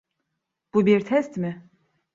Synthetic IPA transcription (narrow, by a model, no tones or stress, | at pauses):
b̥ubiɾt̪ʰɛst̪mɪ